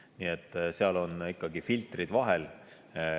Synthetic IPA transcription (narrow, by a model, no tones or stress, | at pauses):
niːet̪ːˑseɑlo̞nikːɑɡifilt̪ˑrid̪vɑɦel